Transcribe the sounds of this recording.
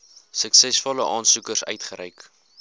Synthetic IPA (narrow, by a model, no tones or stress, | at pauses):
səksɛsfɔləʔɑːnsukərsœ̰ɥtχəɾɛjk